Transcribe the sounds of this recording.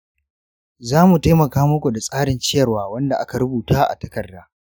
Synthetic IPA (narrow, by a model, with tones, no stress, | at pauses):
zaː˦mu˨ta˦jmɐ˨kaː˦mʊ˦kʷu˨da˨sʼaː˦ɽɪ˨nt͡ʃɪ˦jɐ˨rwaː˦wɐ˦nda˨ʔa˦ka˨ɾʊ˦buː˨taː˦ʔa̰˨tɐ̥˦kɐ˨rdaː˦